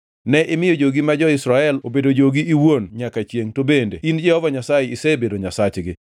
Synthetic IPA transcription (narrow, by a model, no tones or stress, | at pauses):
nɛʔɪmɪjod͡ʒoɡimad͡ʒɔɪsɾaɛlobedod͡ʒoɡiiwonɲakat͡ʃjeŋtobendeind͡ʒɛhɔvaɲasajeisebedoɲasat͡ʃɡɪ